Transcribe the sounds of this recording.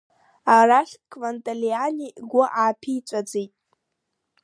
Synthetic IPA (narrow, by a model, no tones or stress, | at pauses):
araχʲkʰʼvantʼalianiɡʷʊʔaːpʰit͡sʷʼad͡zejtʼ